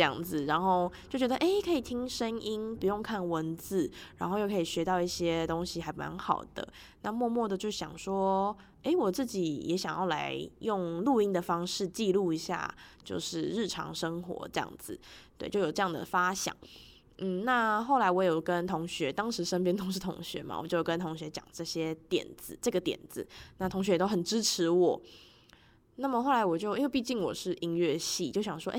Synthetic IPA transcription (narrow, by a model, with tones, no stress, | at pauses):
jɑ̰˥˨˩ŋd͡z̩˨˩ɻa˧˥nxo˥˧ʊt͡ɕjo˥˩t͡ɕɥɛ˧˥ə˨ʔe˥ɪkʰɤ˧˥i˨˩t̪ʰi˥ŋʂə˥ni˥npu˧˥jo˥˧ŋkʰa˥˩nwə˧˦nd͡zɹ̩˥˩ɻa˧˥nxo˥ʊjo˥˩kʰi˨˩ɕɥɛ˧˥t̪ɑ˥˧ʊi˥˩ɕjɛ˥t̪o˥ŋɕi˨xa˧˥ɪpma̰˧˦nxɑ˨˩ʊd̪̥ə̰˦ | na˥˧mwɔ˥˧mwɔ˥˩d̪ə˩t͡ɕjo˥˩ʊɕjɑ̰˨˩ŋʂwɔ˥ | e˥ɪwɔ˨˩t͡sɹ̩˥˩t͡ɕi˨˩jɛ̰˧˥ɕjɑ˨˩ŋjɑ˥˩ʊla̰˧˦ɪjʊ˥˧ŋlu˥˧i˥ŋd̪ə˨fɑ˥ŋʂɻ̩˥˧t͡ɕi˥˧lu˥˩i˧˥ɕja̰˥˩t͡ɕjo̰˥˧ʊʂɻ̩˥˧ɻɻ̩˥˩ʈ͡ʂʰɑ̰˧˥ŋʂə˥ŋxwɔ̰˧˥ʈ͡ʂɤ˥˧jɑ̰˥˩ŋd͡z̩˩˦t̪we˥˧ɪt͡ɕjo˥˩ʊo˨˩ʈ͡ʂɤ˥˧jɑ˥˩ŋd̪ə̰˨˩fa˥ɕjɑ̰˨˩˦ŋ | n̩˥˩na˥˧xo˥˩la˧˥ɪwɔ˧˥jʊkə˦nt̪ʰʊ˧˥ŋɕɥɛ˧˥t̪ɑ˥ŋʂɻ̩˧˥ʂə˥np̬jɛ˥nt̪ʰʊ˧˥ŋʂɻ̩˥˩t̪ʰʊ̰˧˥ŋɕɥɛ̰˧˥ma̰˩w̰t͡ɕjo˥˩ʊo˨˩kə˦nt̪ʰʊ˧˥ŋɕɥɛ˧˥t͡ɕjɑ̰˨˩ŋʈ͡ʂɤ˥˩ɕjɛ˥t̪jɛ̰˨˩nd͡zɹ̩˨˦ʈ͡ʂɤ˥˩ɡə˩t̪jɛ̰˨˩nd͡z̩˨˦na˥˩t̪ʰʊ˧˥ŋɕ̬ɥɛ˧jt̪o˥ʊxə˨˩nʈ͡ʂɻ̩˥ʈ͡ʂʰɻ̩˧˥wɔ˨˩˦ | na˥˩mə˨xo˥˩ʊla˧ɪwɔ˨˩t͡ɕjo˥˧ʊ˥˧p̬i˥˧t͡ɕi˥˩nwɔ̰˨˩ʂɻ̩˥˩ʔi˥ŋɥɛ˥˧ɕi˥˩t͡ɕjo˥˩ʊɕjɑ˨˩ŋʂwɔ˥ʔe˥